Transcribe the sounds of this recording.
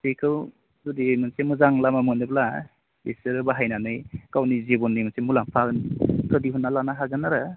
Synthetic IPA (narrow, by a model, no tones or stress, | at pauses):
sekʰɯw | dudimɯnsemuzaŋlamamɯnɯbla | eseɾɯbaɦajnanɯjkawnizebɔnːijmɯnsemulaŋpʰaɡɯntʰɯdiɦunːalanaɦaɡɯnaɾa